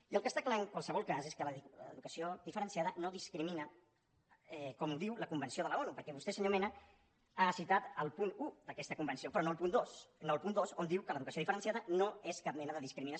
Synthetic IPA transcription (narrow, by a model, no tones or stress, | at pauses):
iəlˠkəst̪aklaəŋkwalˠsəβɔlˠkaseskələəðukəsioðifəɾənsiaðənoðiskɾiminə | ɛkɔmud̪iwləkumbənsioðələɔnupəɾkɛβust̪esəɲomenə | asit̪at̪əlˠpunud̪əkɛst̪əkumbənsiopɾɔnolpund̪osnoːlˠpund̪ozond̪iwkələðukəsoðifəɾənsiaðənoeskap̚mɛnəðəðiskɾiminə